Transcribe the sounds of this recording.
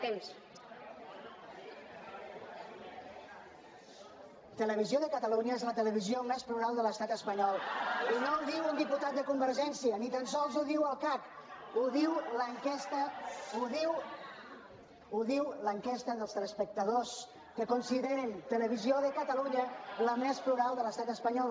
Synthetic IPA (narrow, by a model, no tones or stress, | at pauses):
t̪ems | t̪ələβ̞izioðəkət̪əluɲəezlət̪ələβ̞iziomespluɾalˠd̪ələst̪at̪əspəɲɔlˠinouðiwund̪iput̪at̪̚d̪əkumbəɾʒɛnsiənit̪ənsɔlˠzuðiwəlˠkak | uðiwləŋkɛst̪əuðiw | uðiwləŋkɛst̪əðəlˠst̪ɾəspək̚t̪əðos | kəkunsiðeɾənt̪ələβ̞izioðəkət̪əluɲələmespluɾalˠd̪ələst̪at̪əspəɲɔl